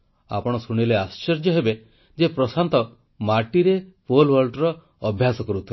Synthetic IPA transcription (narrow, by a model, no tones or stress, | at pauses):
a̰pɔɽ̃ɔsuɽ̃ileast͡ʃɔɾd͡ʒjɔɦebe | d͡ʒepɾɔsant̪ɔ | maɾʈiɾepolwɔɾɖɾɔː | bʱjasɔkɔɾut̪ʰil